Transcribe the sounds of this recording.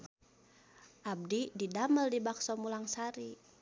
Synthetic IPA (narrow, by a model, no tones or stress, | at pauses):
ʔab̚dididaməldibaksɔmulaŋsaɾi